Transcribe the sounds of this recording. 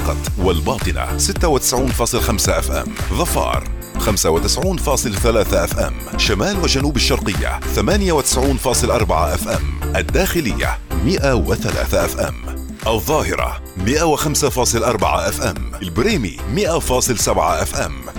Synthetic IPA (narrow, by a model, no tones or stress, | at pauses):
qɑt̪ˤwalbɑːt̪ˤɨna̰sɪt̪ːawɪt̪ɪ̥sʕuːnfɑːsˤɨlxamsaʔafʔa̰mːðˤɑfɑ̰ːɾˤ | xamsawɪt̪ɪsʕuːnfɑːsˤɨlθalaːθaʔafʔa̰mːʃamaːlwɪd͡ʒanuːbaʃːɑɾˤqɨjːa̰θamaːnɪjawɪt̪ɪ̥sʕuːnfɑːsˤɨlʔɑɾˤbɑʕaʔafʔa̰mːʔad̪ːaːxɪlɪjːa̰ːɪʔawɪθala̰ːθaʔafʔa̰mː | ʔɑðˤːɑːhɪɾˤɑ̰ | mɪʔawɪxamsafɑːsˤɨlʔɑɾˤbɑ̰ʕa̰ʔafʔamːlbɾeːmimɪʔafɑːsˤɨlsabʕa̰ʔafʔam